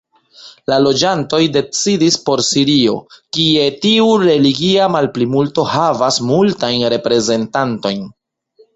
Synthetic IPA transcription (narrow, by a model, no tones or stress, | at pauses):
lalo̞d͡ʒanto̞jde̞t͡sidispo̞ɾsiɾio̞̰kie̞tiuɾe̞liɡiamalplimulto̞havasmultajnɾe̞pɾe̞ze̞ntanto̞jn